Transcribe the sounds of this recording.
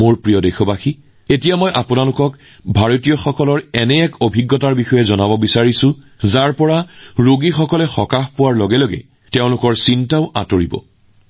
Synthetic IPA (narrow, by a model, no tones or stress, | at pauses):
moɹpɹijɔdejxɔbaxi | etijamɔjʔapʊnalʊkɔk | bʱaɹotijɔxɔkɔlɔɹɛnɛːkobʱiɡːɔtaɹbixɔjɛzɔnabɔbisaɹisʊ̃ | zaɹpɔɹaɹoɡixɔkɔlɛxɔkaxpʊwaɹlɔɡɛloɡɛ̰ | teʊ̃lʊkɔɹsintaʊʔa̰toɹibɔ̰